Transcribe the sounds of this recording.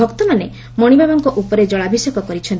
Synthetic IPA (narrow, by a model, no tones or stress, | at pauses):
ɔkt̪ɔmane | mɔɽ̃ibʱabɔŋkɔʔupɔɾed͡ʒɔɭabʱisɔkɔkɔɾit͡ʃʰɔn